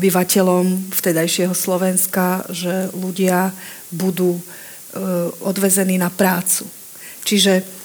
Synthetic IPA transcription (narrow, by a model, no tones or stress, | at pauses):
biʋacɛʎɔmft̪ɛd̪ajʃɪɛɦɔslɔʋɛnskaʒɛluɟɪabud̪uː | ɔd̪ʋɛzɛniːnapɾaːt͡su | t͡ʃiʒɛ